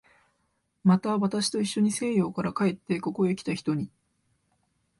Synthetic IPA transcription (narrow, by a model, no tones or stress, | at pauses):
mat̪aβat̪aɕi̥t̪o̞iɕːo̞ɲ̟ise̞ːjo̞ːkaɾakae̞t̪ːe̞ko̞ko̞ikʲi̥t̪açi̥t̪o̞ɲ̟i